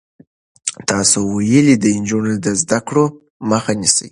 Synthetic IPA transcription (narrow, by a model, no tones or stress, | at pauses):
t̪ɑsowajəlid̪əɪnd͡ʒunod̪əzd̪akɽo | məxanisə̰j